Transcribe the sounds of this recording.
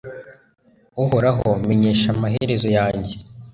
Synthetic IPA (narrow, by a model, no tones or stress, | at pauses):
uhoɾaɦo̰me̞ɲe̞ːʃamaɦeɾe̞zo̞jaːɲɟe̞